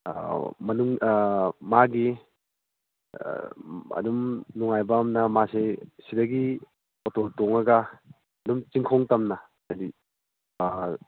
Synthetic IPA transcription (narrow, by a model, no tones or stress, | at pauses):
mɐnuŋ | maɡi | ɐ̰dumnuŋajbamnɐmasesidɐɡi | ototoŋɐɡɐː | dumt͡ʃiŋkʰɔŋtɐmnɐ | adi